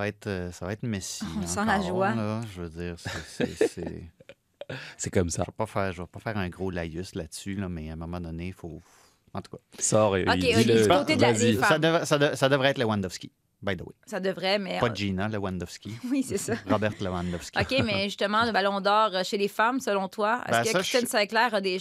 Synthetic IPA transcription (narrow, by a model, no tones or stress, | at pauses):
saaɛt̪øsavaɛt̪mesiɔ̃sɑ̃laʒwalɔʒəvød͡z̪iːʁsɛsɛ̰sɛ̰ | sɛkɔmsa̰vapafɛːʁʒəvapɑfɛːʁɛ̃ɡʁolajyslatsylʌmɛɛ̃ːmɔmɑ̃d̪ɔnefof | ɑ̃t̪u̥kasɔːʁɔekoed̪lzisad̪əvʁɛsad̪əsad̪əvʁɛːt̪ləwãnd̪ɔfskʲi̥ | bajd̪əwesad̪əvʁɛmɛpɔʒinaləwãnd̪ɔfskʲiwisɛsaʁɔbɛʁt̪ləwãnd̪ɔfskʲɔkʲemɛʒyst̪əmɑ̃ləbalɔ̃d̪ɑːʁəʃelefamsəlɔ̃t̪waɛ̰bsɛkst̪ɛnsɛ̃klɛːʁəd̪e